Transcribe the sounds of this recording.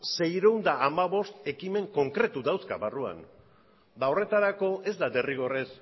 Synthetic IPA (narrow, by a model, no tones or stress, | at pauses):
se̞jɾeund̪aːmaβo̞st̪e̞kime̞ŋko̞ŋkɾe̞t̪uðawskaβarua̰n | d̪ao̞re̞t̪aɾako̞e̞zd̪ad̪e̞riɣ̞o̞res